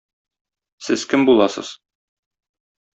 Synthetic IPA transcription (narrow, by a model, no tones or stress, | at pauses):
sɘzkɘmbulˠɑsɤ̰z̥